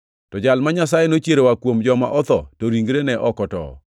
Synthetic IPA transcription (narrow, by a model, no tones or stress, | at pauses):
tɔd͡ʒalmaɲasajenot͡ʃjeɾowakwomd͡ʒɔma̰ʔɔt̪ɔtoɾiŋɡɾenɛʔɔkɔtɔ̰